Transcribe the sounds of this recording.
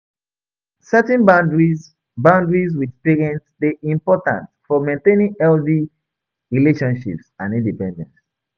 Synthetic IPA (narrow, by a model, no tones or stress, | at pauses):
sɛtɛ̃nbãndɹi | bãʊ̃ndɹizwikspiɹiɛ̃nsðeʔĩmpɔtã̰ntfɔmẽntẽnĩŋɛldi | ɹileʃɔ̃nʃḭpsãnĩndipɛ̃ndɛ̰̃nts